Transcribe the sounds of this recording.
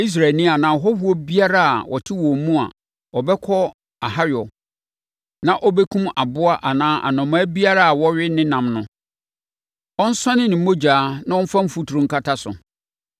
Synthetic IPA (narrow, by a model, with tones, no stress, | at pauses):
i˦s̬ɾa˨nĩ˦a˨nã˨ɦɔ˦hu˦o˦bi˦a˦ɾa˦a̰˨wʔɔ̰˨tʰɪ˦wɔ̃˨mũ˦a̰˨ | ɔ˨bɛ˦kʰɔ˦ | a˨ha˦ɾɪ˨ɔ˨ | nã˨ʔɔ˦bɛ˦kʰũ˦ma˨bʊ˦a˦ʔa˨nãː˦ʔa̰˨nɔ̃˨mãː˦bi˦a˦ɾa˦a˨wɔ˦ɥɪ˦nɪ̃˦nã˨mnʊ̃˨ | ɔ˦n̩˦sã˦nɪ̃˦nɪ̃˨m̩˦mõ˦d͡ʑaː˨˦nã˦ɔ̃˦fã˦m̩˦fu˨tʰu˨ɾũ˨ŋ˦kʰa˦tʰa˦sʊ̰˨